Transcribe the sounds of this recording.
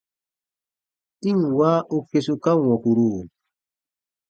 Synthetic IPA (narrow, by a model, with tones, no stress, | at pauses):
ti˦ŋwa˦ʔu˦kːe˨su˨ka˦ŋwɔ˨ku˨ɾuː˦˨